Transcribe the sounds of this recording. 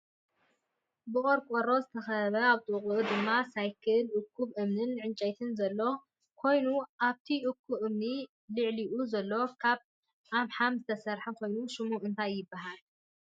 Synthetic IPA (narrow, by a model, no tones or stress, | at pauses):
bɨχʼoɾkʷʼoɾo̞zɨt̪ʰɐxɐβɐaβt̪ʼɨqʼuʔud̪ɨmːasajkʰɨlʔɨkʰːuβʔɨmnɨnʕɨnt͡ʃʼɐjt̪ʰɨnzɐlːo̞ | kʰo̞jnuʔaβt̪ʰiʔʊkʰːuβʔɨmni | lɨʕliʔuzɐlːo̞kʰaβ | ʔamħamzɨt̪ʰɐsɐɾħɐkʰo̞jnuʃɨmuʔɨnt̪ʰajːɪbːaɦal